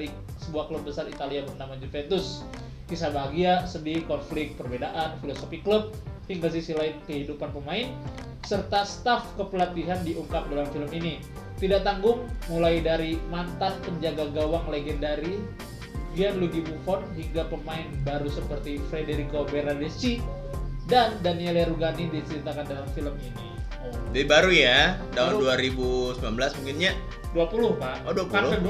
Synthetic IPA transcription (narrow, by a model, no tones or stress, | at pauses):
i | səbuahklup̚bːəsarit̪aliabərdamaɲd͡ʒufɛnt̪ʊs | kisabaɦaɡiasədikɔnflɪk̚t̪̚pərbedaʔanfilosofiklʊp̚hiŋɡasisilaɪnkəɦidupanpəmaɪn | sərt̪ast̪afkəpəlat̪iɦandiʔuŋkap̚dalamfiləmini | t̪idaʔ̚t̪aŋɡʊŋmulaidaɾimant̪anpəɲd͡ʒaɡaɡawaŋleɡɛndaɾi | ɡianluɡimufɔnɦiŋɡapəmaɪnbaɾusəpərt̪ifɾedeɾikobeɾadest͡ʃi | dandanieleɾuɡanidit͡ʃəɾit̪akandalamfiləmini | d͡ʒadibaɾujat̪aunduaɾibusəmbilanbəlasmuŋkɪnɲa | duapulʊhpaʔoduapualkəd